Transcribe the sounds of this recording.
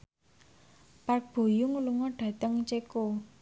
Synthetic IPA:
park̚b̥o̤jʊŋluŋɔɖ̥a̤t̪əŋt͡ʃeko

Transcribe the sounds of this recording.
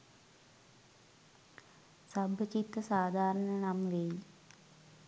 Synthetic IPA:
sɐbʱət͡ʃit̪əsaːd̪ʱaːɾəɳənamʋei

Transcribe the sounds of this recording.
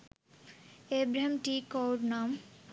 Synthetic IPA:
ebɾemʈikowɾnam

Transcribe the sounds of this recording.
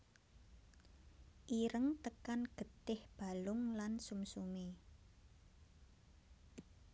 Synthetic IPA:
ʔiɾəŋt̪əkanɡ̥ə̤t̪ɪhb̥a̤lʊŋlansumsume

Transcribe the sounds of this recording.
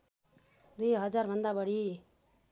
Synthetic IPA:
d̪ujɦʌd͡zarbʱʌnd̪abʌɽ̤i

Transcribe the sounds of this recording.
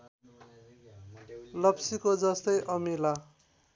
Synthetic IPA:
lʌpsikod͡zʌst̪ʌjʔʌmila

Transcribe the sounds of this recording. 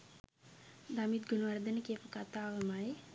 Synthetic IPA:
d̪amit̪̚ɡunəʋaɾd̪ənəkepəkat̪aːʋəmaje

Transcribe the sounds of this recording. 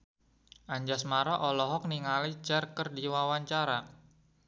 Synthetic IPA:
ʔaɲd͡ʒasmaɾɔʔɔlɔɦɔk̚niŋalit͡ʃarkərdiwawaɲt͡ʃaɾa

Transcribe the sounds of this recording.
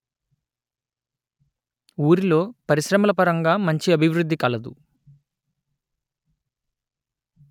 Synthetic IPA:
uːɾilo̞ːpɐɾiʃɾɐmɐlɐpɐɾɐŋɡaːmɐɲt͡ʃiɐbʱiʋɾud̪ʱːikɐlɐd̪ṵ

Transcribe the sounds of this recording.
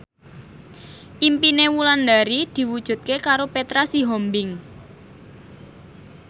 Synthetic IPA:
ʔimpinewuland̪aɾid̪̥i̤wud̥ʒ̥ṳt̪̚kekaɾopet̪ɾasiɦɔmbɪŋ

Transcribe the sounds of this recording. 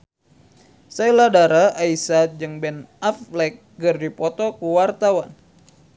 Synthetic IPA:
sajladaɾaaisat̪̚d͡ʒɨŋbɛnaflɛk̚ | ɡɨrdipɔt̪ɔkuwart̪awan

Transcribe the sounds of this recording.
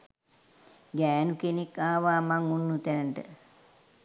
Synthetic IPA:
ɡæːnukenekːaːʋaːmaŋunːut̪ænəɳʈə̰

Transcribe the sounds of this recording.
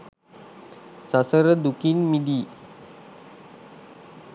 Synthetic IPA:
sasəɾəd̪ukinmid̪iː

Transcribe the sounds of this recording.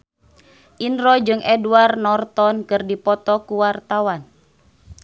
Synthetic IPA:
ʔinɾɔd͡ʒɨŋʔɛduarnɔrt̪ɔnkɨrdipɔt̪ɔkuwart̪awan

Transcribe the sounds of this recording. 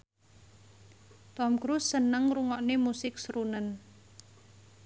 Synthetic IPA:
t̪ɔmkɾusːənəŋruŋɔʔnemusɪk̚sɾunən

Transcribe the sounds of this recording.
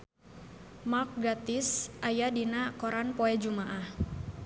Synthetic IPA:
mak̚ɡat̪ɪsʔajadinakɔɾanpɔɛd͡ʒumaʔah

